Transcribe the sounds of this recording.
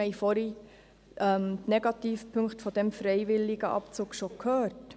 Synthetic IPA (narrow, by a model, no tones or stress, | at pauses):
ɛɪfɔɾi | ʔɛmt̪nɛɡɑt̪iːfpʰɵŋkχtfɔd̥̪ɛmfɾɛɪʋɪlːɪɡəʔɑ̰pt͡suːkʃokʰhœːɾt